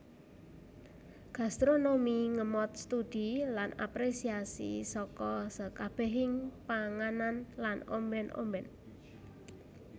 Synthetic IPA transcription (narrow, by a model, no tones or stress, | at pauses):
ɡ̥a̤st̪ɾonomiŋəmɔt̪̚st̪ud̪̥i̤lana̰pɾesiasḭsɔkɔsəkab̥ɛ̤ɦɪŋpaŋananlano̰mbɛnʔo̰mbɛn